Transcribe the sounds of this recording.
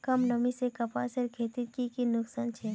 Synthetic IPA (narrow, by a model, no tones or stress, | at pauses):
kɐmnɐmisekɐpaːsəɾkʰeːt̪it̪̚kikinʊksaːnt͡ʃʰe